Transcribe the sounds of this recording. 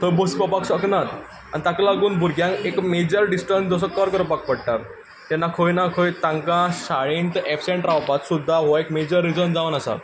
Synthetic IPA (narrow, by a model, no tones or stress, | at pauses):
t̪əbəspɔpaksəknat̪ | a̰nit̪ãkalaɡuːnbʱuɾɡʱjãŋkekmed͡ʑəɾɖisʈənsd͡zəs̬əkɔɾkəɾəpak̚pəɽʈaɾ | t̪jɛnːakʰojnakʰojt̪ãŋkãɕaɭint̪efseɳʈɾaʋpat̪sud̪ʱːaɦaekmed͡ʑəɾːid͡zənd͡zaʋənasa̰